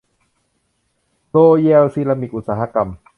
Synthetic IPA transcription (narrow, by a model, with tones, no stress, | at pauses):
ɾoː˧jɛ˧lsiː˧la˧mi˨˩k̪̚ʔu˨˩t̪̚saː˩˧ɦa˧ka˧˩m